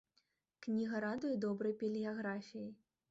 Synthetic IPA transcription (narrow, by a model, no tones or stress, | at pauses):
knʲiɣɐɾad̪ɨjɛd̪ɔbɾɐjpʲelʲijaɣɾafʲiji